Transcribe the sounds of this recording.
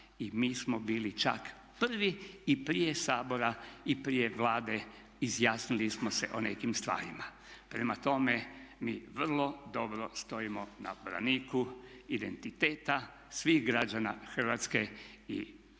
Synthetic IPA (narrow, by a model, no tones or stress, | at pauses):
imiːsmobiːlit͡ʃa̰k | pr̩ʋiːpɾijesaːbo̞ɾaipɾijeʋlaːd̪e̞ | izjaːsnilismosḛʔonekimst̪ʋa̰ːɾima | pɾemat̪o̞memiːʋr̩lˠo̞d̪o̞bɾost̪o̞imona̰bɾa̰niːkuid̪ent̪it̪eːt̪a | sʋiɣɡɾad͡ʒana̰xr̩ʋat̪ske̞ḭ